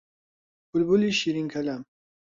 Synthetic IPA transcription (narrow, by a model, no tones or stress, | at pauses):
bulbuliʃiɾiŋkʰɐlam